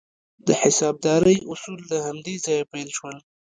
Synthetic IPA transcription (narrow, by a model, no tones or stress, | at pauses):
d̪əħɪsɑb̚d̪ɑɾəjʔʊsuld̪əhand̪ezɑjapejlʃwəl